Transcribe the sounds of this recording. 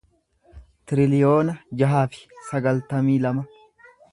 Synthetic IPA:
t̪ɪɾɪlɪjo̞ːnɐd͡ʒɐɦaːfɪ̥sɐɡɐlt̪ɐmiːlɐmɐ

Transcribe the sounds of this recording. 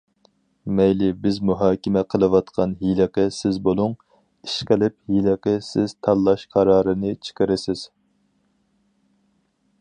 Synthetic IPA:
mɛjlɪbɪzmuɦɑːkʲɪmɛqʰəlˠɨwɑt̪qʰɑnɦilɨqəsɪzbolˠʊŋ | iʃqəlɪp̚hilɪqəsɪz̥t̪ʰɑlˠːɑʃqʰɑɾɑːɾɨnɨt͡ʃʰɪ̥qəɾɪsɪz̥

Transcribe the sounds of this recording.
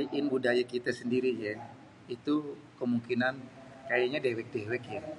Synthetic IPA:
iʔɪnbudajakit̪asəndiɾija | it̪u | kəmuŋkinan | kajaɲadewɛk̚dewɛkja

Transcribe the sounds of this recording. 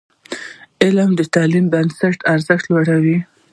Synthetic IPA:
ɪlmd̪ət̪ɑlimbansaʈaɾzəxt̪loɽawi

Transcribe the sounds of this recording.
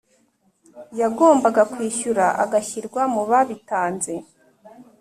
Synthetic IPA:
jaɡo̞ːmbaɡakwiːʃuɾaʔa̰ɡaçiɾɡwamuβaβitaːnze̞

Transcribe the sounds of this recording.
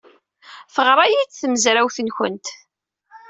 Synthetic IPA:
fəʁɾˤɑjit͡sːθməzɾæwθənçə̰nt̪

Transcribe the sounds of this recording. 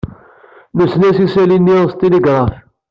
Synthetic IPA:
məsnæsisælinːist̪eliɡɾˤɑf

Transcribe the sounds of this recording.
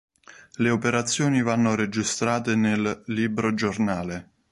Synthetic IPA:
leopeɾat̪sːjɔːnivanːoɾed͡ʒist̪ɾaːt̪enelːiːbɾod͡ʒornaːle

